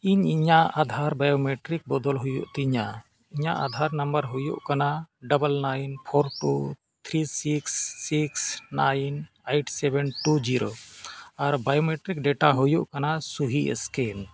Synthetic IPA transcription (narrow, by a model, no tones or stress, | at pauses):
iɲiɲaʔad̪ʱaɾbajomɛʈɾik̚bɔd̪ɔlɦujṵʔt̪iɲa | iɲaʔad̪ʱaɾnambəɾɦujuʔkanaɖəbəlnajnpʰoɾʈu | t̪ʰɾisiksːiksnajn | ejʈsɛbɛnʈud͡ʒiɾo | aɾbajɔmeʈɾik̚ɖɛʈaɦujuʔkanasuɦiɛ̰skɛn